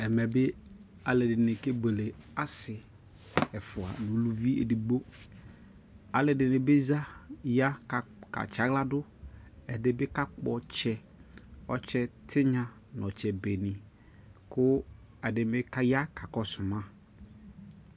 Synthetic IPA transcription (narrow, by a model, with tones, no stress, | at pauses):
ɛ˨mɛ˨bɪ˦ | a˨lɪ˨dɪ˨nɪ˨ke˦ɡ͡be˨le˨a˦sɪ˨ | ɛ˨fʊ˨a̰˨nʊ̃˨lu˦˨vi˦ḛ˨di˨ɡ͡bo˦ | a˨lɪ˨dɪ˨nɪ˨bɪ˦za˦ja˦˨ka̰˨t͡ʃa˨˦ɡla˦dʊ˦ɛ˨dɪ˨bɪ˦ka˦k͡pɔ˨t͡ʃɛ˦ | ɔ˦t͡ʃɛ˦tʰɪ˦ɲã˨ | nɔ̃˨t͡ʃɛ˨be˨nɪ̃˨ | kʊ˦ | ɛ˨dɪ˨mɪ˦ka˦ja˦ka˨kɔ˨sʊ˨mã˦